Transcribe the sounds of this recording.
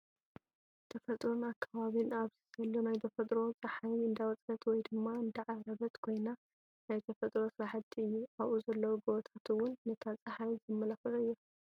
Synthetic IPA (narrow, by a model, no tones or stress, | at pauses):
t̪ʰɐfɐt̪ʼɾonakʰːaβaβinaβz̥izɐlːonajt̪ʰɐfɐt̪ʼɾo̞t͡sʼɐħajɨnd̪awɐt͡sʼɐt̪wɔjd̪ɨmːaɨnd̪ɐʕaɾɐβɐt̪kʰo̞jna | najt̪ʰɐfɐt̪ʼɾo̞sɨɾaħɨt̪ʰːiɨjːuaβʔuzɐlːɐwuɡot̪ʰat̪ʰɨwʊnːɐt̪ʰat͡sʼɐħajzɨmːɐlafɐlɨjːu